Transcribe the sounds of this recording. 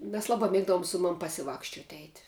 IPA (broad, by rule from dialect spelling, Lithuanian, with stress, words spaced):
mʲɛs ˈlˠɑːˌbɑː ˈmʲeːɡdɐʋoːm ˈsʊ ˌmɐm pɐsʲɪˈʋɑːkʃʲt͡ʃʲoːt ɛɪtʲ